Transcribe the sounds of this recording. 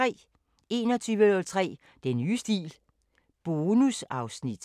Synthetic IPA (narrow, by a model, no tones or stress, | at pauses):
ɛ̰ː | e̝ːnɒ̽t͡sʰyːʋənɔlt͡sʰʁɛ̰ː | d̥enyːsd̥ḭːl | b̥o̝ːnusɑ̈ʊsnid̥